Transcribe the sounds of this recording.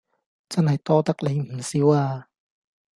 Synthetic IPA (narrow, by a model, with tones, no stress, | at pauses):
t͡sɐ˥nhɐ˨˩jt̪ɔː˧t̪a˦˥k̚le˨˧˥jm̩˨˩si˨˦waː˧